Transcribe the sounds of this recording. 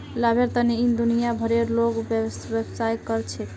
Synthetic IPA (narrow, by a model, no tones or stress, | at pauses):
labʱeɾt̪əneind̪unijabʱəɾeɾloɡbesbəbsajkəɾt͡ʃʰɛ